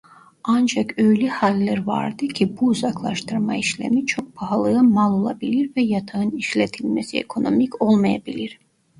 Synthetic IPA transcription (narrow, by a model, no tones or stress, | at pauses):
and͡ʒakø̞jlʲɛhalʲːæɾva̰ɾd̪ɯcʰibuuzaklˠaʃt̪ʰɯɾmaiʃlʲḛmit͡ʃʰo̞k̚pʰaɦalˠɯɯmalˠo̞lˠa̰bilʲiɾvɛjat̪ʰaɯniʃlʲet̪ʰilʲmesiḛkʰo̞no̞mico̞lˠmaja̰bilʲiɾ̥